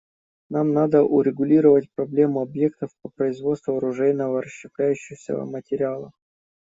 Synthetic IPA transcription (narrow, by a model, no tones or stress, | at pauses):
namnad̪əʔʊɾʲɪɡʊlʲiɾəvət̚ʲpɾɐblʲe̞mʊɐbje̞kt̪əfpəpɾəɪzvo̞t̪st̪vʊɐɾʊʐɛjnəvəɾəɕːɪplʲæjʉɕːɪsʲə̰mətʲɪɾʲɪalˠəx